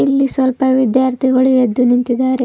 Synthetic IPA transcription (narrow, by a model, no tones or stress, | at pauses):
ilːisʋɐlpɐʋid̪jaːɾt̪ʰiɡɐɭujed̪ːunint̪id̪ːaːɾe